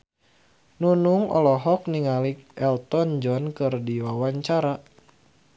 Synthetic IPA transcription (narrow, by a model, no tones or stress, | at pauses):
nunuŋʔɔ̰lɔɦɔk̚niŋalik̚ɛlt̪ɔnd͡ʒɔnkɨrdiwawaɲt͡ʃaɾa